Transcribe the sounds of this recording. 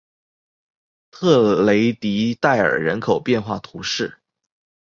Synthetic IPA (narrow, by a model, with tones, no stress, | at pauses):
t̪ʰɤ˥˩le˧˥ɪt̪i˧˥t̪a˥˩ɪə̰˞˨˩ɻə˧˥nkʰo˨˩ʊpjɛ˥˧nxwa˥˩t̪ʰu˧˥ʂɻ̩˥˩